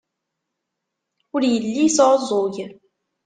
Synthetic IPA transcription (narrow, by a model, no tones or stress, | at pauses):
ʊɾjəlːisʕəzˤoʝ